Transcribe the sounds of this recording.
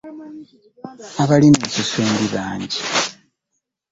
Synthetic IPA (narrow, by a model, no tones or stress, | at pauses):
aβalimesusuːmdiβaːɲɟi